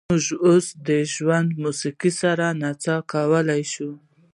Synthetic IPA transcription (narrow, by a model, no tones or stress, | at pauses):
ʊʒosd̪əʒwand̪musiqisaɾanat͡sɑkawəlajʃu